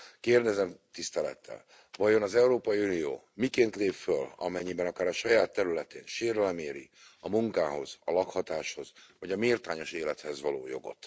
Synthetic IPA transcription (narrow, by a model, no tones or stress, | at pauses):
keːrd̪ɛzɛmt̪ist̪ɛlɛ̰t̪ːɛ̰l | vɒjo̞nɒzɛuɾoːpɒjiunijo̰ː | mikeːnt̪leːpfølɒ̰mɛɲːibɛnɒkaːɾɒʃɒjaːt̪ːɛɾylɛt̪ḛːnʃeːɾɛlmeːɾḭ | ɒmuŋkaːɦo̞̰z̥ɒlɒkhɒt̪aːʃho̞zvɒɟɒmeːrt̪aːɲo̞ʃeːlɛt̪hɛzʋɒlo̰ːjo̞̰ɡo̞̰t̪